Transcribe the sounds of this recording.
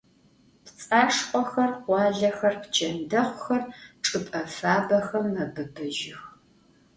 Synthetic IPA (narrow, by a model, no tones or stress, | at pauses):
pt͡sʼaːʂqʷʼɔxɐrʁʷɑːɮɐxɐrpt͡ʃʰɐndɐχʷʊxɐrʈ͡ʂʼɨpʼɐfaːbɐxɐmːɐbɨbɨʒɪx